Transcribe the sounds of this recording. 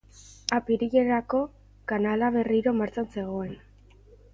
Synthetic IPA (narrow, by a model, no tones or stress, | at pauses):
apiɾiʎe̞ɾako̞ | kanalaβ̞e̞riɾo̞maɾt͡sanse̞ɣo̞e̞n